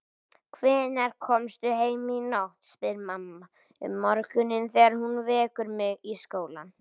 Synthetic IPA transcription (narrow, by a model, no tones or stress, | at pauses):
kʰvɛːnɛɾ̥kʰɔmst̪ʏɦeːjminowht̪spɪðɪɾmamːa | ʏ̰mːɔɾkʏnɪnθɛaɾhunvɛːkʏɾmɪɣiskoːwla̰n